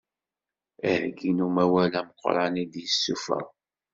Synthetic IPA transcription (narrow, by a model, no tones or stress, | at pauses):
əhɡinumæwælæməqːɾˤɑnid̪jəsːufæ̰